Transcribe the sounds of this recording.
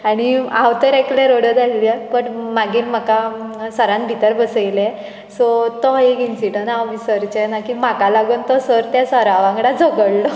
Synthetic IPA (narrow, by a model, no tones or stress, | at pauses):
aɽ̃iãwt̪əɾɛklẽɾoɽəd̪ailiəpəɳmaɡiːnm̤akasəɾãnbʱit̪əɾbəsəjlɛ | sɔt̪ɔekinsiʈəɳaɔfisəɾt͡ɕenakimakalaɡuːnt̪ɔsəɾt̪jasəɾaʋãŋɡɽad͡zʱəɡəɽlɔ